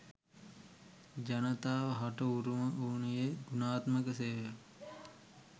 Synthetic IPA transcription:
d͡ʒanət̪aːʋəɦaʈəuɾuməʔuːnijeɡunaːt̪məkəseːʋə

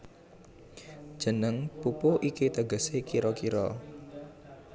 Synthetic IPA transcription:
d̥ʒ̥ə̤nəŋpupuʔikit̪əɡəsekiɾɔkiɾɔ

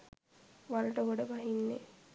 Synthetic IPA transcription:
ʋaluʈəɡoɖəbaɦinːḛ

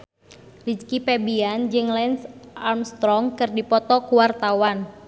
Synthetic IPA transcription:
lid͡ʒkipebiand͡ʒɨŋlɛnsʔamst̪ɾɔŋkɨrdipɔt̪ɔkuwart̪awan

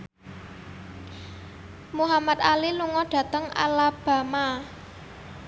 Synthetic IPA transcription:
muɦamat̪̚aliluŋɔɖ̥ä̤t̪əŋa̰lab̥ä̤ma

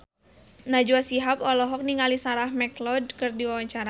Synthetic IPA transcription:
nad͡ʒuasiɦapɔlɔɦɔk̚niŋalisaɾahmɛklɔd̚kɨrdiwawaɲt͡ʃaɾa

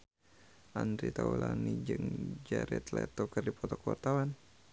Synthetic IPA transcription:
ʔand̪ɾit̪aulanid͡ʒɨŋd͡ʒaɾɛt̪lɛt̪ɔkərdipɔt̪ɔkwart̪awan

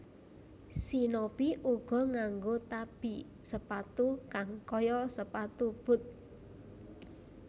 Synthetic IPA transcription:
sinob̥iʔuɡ̥ɔ̤ŋaŋɡot̪ab̥i | səpat̪ukaŋkɔjɔsəpat̪ub̥ʊ̤t̪̚

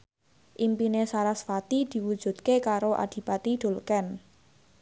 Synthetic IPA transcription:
ʔimpinesaɾasfat̪id̪̥i̤wud̥ʒ̥ṳt̪̚kekaɾoʔa̰d̪̥i̤pat̪iɖ̪̥o̤lkɛn

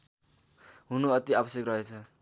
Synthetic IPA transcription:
ɦunuʌt̪iabʌsjekrʌɦet͡sʰʌ

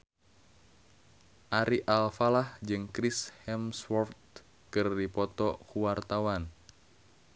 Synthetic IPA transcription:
ʔaɾʔiʔalfalahd͡ʒɨŋkɾishɛmswɔrt̪̚ | kɨrdipɔt̪ɔkuwart̪awan

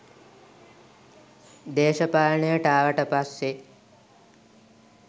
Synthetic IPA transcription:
d̪eːʃəpaːlɳejəʈəaːʋəʈəpasːe

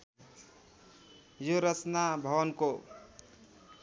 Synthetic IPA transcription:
joɾət͡ʃnabʱʌwənko

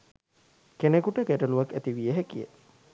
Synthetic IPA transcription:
kenekuʈəkæʈəluʋakːæt̪iʋijəɦekijə̰

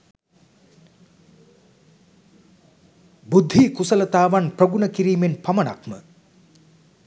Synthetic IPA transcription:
bud̪ʱːiːkusələt̪aːʋanprɐɡunəkiɾiːmenpamɐna̰kmə

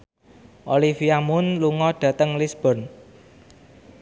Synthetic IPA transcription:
ʔolifiamʊnluŋɔɖ̥ä̤t̪əŋlisb̥ɔ̤n

